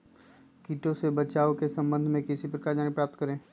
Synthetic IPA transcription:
kiːʈõsebɐt͡ʃaːokesɐ̃mbə̃nd̪ʱmẽkɪsipɾəkaːɾd͡ʒaːnipɾaːp̚t̪kəɾẽː

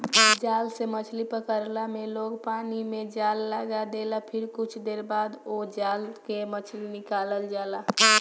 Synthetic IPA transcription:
d͡ʒaːlsemət͡ʃʰlipəkəɾlamẽloːɡpaːnimed͡ʒaːlːəɡad̪elapʰɪɾkʊt͡ʃʰd̪eːɾbaːd̪od͡ʒaːlkemət͡ʃʰlinɪkaːləld͡ʒaːla

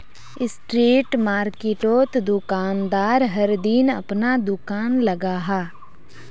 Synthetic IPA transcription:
ɪsʈɾiːʈmaːɾkɪʈoːt̪d̪ʊkaːnd̪aːɾɦəɾd̪inɐ̰pnad̪ʊkaːnlɐɡaːɦaː

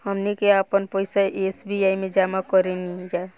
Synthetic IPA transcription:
həmnikeapənpəjsaʔesbiaimed͡ʒamakɔɾenid͡ʒa

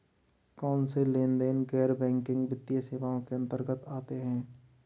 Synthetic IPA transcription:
kɔːnselẽːnd̪eːnɡɛːɾbɛ̃ːŋkɪ̃ŋɡbɪt̪ːijeseːʋaːõkeə̃nt̪əɾɡət̪aːt̪eɦɛ̃ː

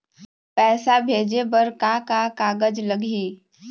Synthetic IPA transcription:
pɛːsabʱeːd͡ʒebəɾkakakaːɡəd͡ʒləɡʱiː

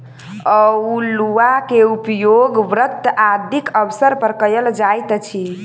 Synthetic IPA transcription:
əuluakeupjoɡʋɾət̪ːad̪ʱikəʋsəɾpəɾkəjəld͡ʒajt̪t͡ʃʰi

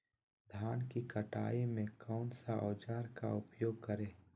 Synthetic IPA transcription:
d̪ʱaːnkikəʈaːimẽkɔːnsaʔɔːd͡ʒaːɾkaʊpjoːɡ̚kəɾẽː

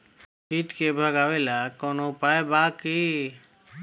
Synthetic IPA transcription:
ʃiːʈkebʱəɡaʋelakɔnopaebaki

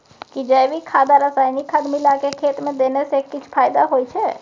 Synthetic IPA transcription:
kid͡ʒəːbʱikʰaːd̪aɾəsaːjnikʰad̪milakekʰeːt̪mẽd̪eːnesekɪt͡ʃʰpʰaːjd̪aɦoːit͡ʃʰɛː

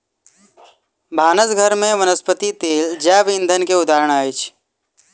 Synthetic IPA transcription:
bʱaːnəsɡʱəɾmẽʋənəspət̪it̪eːld͡ʒaːʋĩnd̪ʱənkeʊd̪aːɾəɽ̃aːit͡ʃʰ

